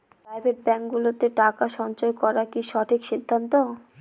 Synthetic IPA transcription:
pɾajbʱeʈ̚bɛŋkɡulot̪eʈakaʃɔnt͡ɕoekɔɾakiʃɔʈʰikʃid̪ʱːant̪o

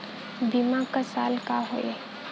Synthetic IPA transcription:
bimãkasaːlkaɦo̰e

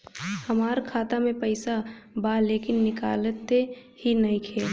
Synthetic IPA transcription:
həmaːɾkʰaːt̪amẽpəɪsabaleːkɪnːɪkaːlət̪ːe | hinɐɦĩkʰeː

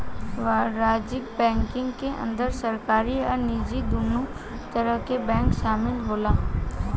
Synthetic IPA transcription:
ʋaɾaːd͡ʒɪk̚bɛ̃ːŋkɪ̃ŋɡkeʔə̰̃nd̪əɾsɐɾkaːɾiɔːɾniːd͡ʒid̪uːnu | t̪əɾəɦkebɛ̃ːŋkʃaːmɪlɦoːlaː

